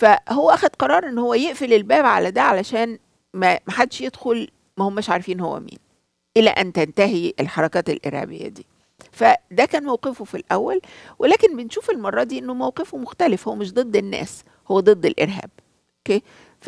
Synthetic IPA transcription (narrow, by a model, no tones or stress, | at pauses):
fæhowːæʔæxæd̪̥qɑɾˤɑːɾˤʔenːhowːæjeʔfelelbæːbʕalæd̪æːʕalæʃæːn | mæmæħad̪ːeʃjed̪xol | mæhomːæːʃʕaɾfiːnhowːæ̰mḭːn | ʔelæ̰ʔænt̪ænt̪æɦiʔelħɑɾˤɑkɑːt̪elʔḛɾhæ̰bḛjːæ̰d̪ḭː | fæd̪ækæːnmæwqefofilʔæwːælwʔelæːkenbenʃuːfelmɑrˤːɑd̪iːʔenːomæwqefomoxt̪ælefhowːæmeʃ̬d̪ˤed̪ˤːenːæ̰ːs | howːæd̪ˤed̪ˤːelʔḛɾɦæ̰ːb̥̚ | ʔʔokeː